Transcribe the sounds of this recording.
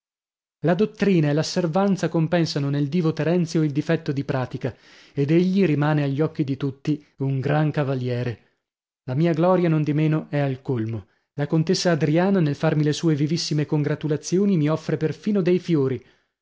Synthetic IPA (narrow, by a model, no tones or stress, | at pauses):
lad̪ot̪ːɾiːnaelːasːervant̪sakompɛnsanoneld̪iːvot̪ɛɾɛnt̪sjoild̪ifɛt̪ːod̪ipɾaːt̪ika | ed̪eʎːiɾimaːneaʎːɔkːid̪it̪ut̪ːi | uŋɡɾaŋkavaljɛːɾe | lamiːaɡlɔːɾjanond̪imeːnoɛalkolmo | lakont̪esːaːd̪ɾiaːnanelfarmilesuːevivisːimekoŋɡɾat̪ulat̪sːjoːnimiɔfːɾeperfiːnod̪ejfjoːɾi